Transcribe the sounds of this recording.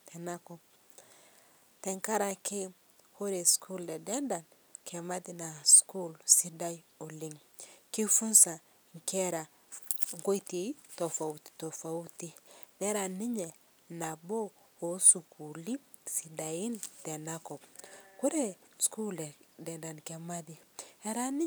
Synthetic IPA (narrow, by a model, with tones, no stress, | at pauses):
te˨na˦ko˨p | te˨ŋka˦ɾa˨ki˦ | ku˦ɾe˨skʰu˦le˨de˦nda˨n | kʰe˨ma˦di˨na˨sku˦lsi˦da˦jo˨li˦ŋ | ki˦fu˦nsa˨ | ŋ˨ke˦ɾa˨ | ŋɡo˦i˦te˨i˦to˨fa˨u˨ti̥˨to˨fa˨u˦ti˦ne˦ɾa˨ni˦ɲe˨ | na˨bo˦ | o˨˦su˨ku˨li˦ | si˨da˨ji˦nte˨na˦ko˨bku˦ɾe˦sku˦le˨de˨nda˨nke˨ma˦di˨e˦ɾa˦ni˦